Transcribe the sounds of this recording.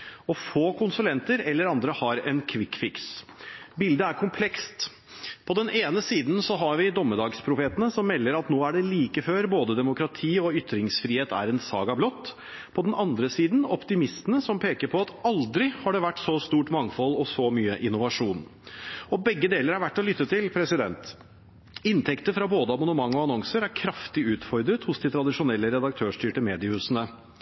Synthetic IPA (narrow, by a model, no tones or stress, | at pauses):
ɔfoːkʰʊnsʉlɛnt̪əɾɛlːəɾɑnd̪ɾəhɑɾɛnkʰʋɪkfɪks | bɪld̪əæɾkʰʊmpʰlɛkst̪ | pʰɔd̪ɛneːnəsiːd̪nsɔɦɑɾʋɪd̪ɔmːəd̪ɑːɡspʰɾʊfeːt̪ənəsɔmːɛlːəɾɑt̪noːæɖɛliːkəføːɾboːd̪əd̪ɛmʊkɾɑt̪ʰiːɔʏt̪ɾɪŋsfɾiːheːt̪æ̰ɾɛnsɑ̰ːɡɑblɔt̪ː | pʰɔd̪ɛnʔɑnd̪ɾəsiːd̪n̩ɔpt̪ɪmɪst̪ənəsɔmpʰeːkəɾpʰɔɑt̪ɑld̪ɾɪhɑɖɛʋæʈːsɔst̪uːʈmɑŋfɔlːɔsɔmyːəʔɪnʊʋɑʂuːnɔbɛɡːəd̪eːləɾɑɾʋæʈːɔlʏt̪ːət̪ʰɪlpʰɾɛsɪd̪ɛnt̪ | ɪnt̪ʰɛkt̪əfɾɑboːd̪əɑmɑnəmɑŋːɔɑnɔŋsəɾæɾkʰɾɑft̪ɪʉːt̪fɔɾd̪ɾət̪hʊsd̪ɪt̪ʰɾɑd̪ɪʂʊnɛlːəɾɛd̪ɑk̚t̪ʰøːʂʈyːʈəmeːd̪ɪʉsənə